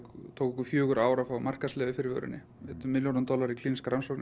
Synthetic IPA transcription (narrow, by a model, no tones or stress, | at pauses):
t̪ʰowkʏkʏfjœːɣʏɾaːwɾafawmar̥kaslɛːðʏfɪɾɪvœ̰ɾʏ̰nːɪ | ɛt̪ʏmːɪljonant̪ɔlaɾikʰliːniskaɾansɔwkn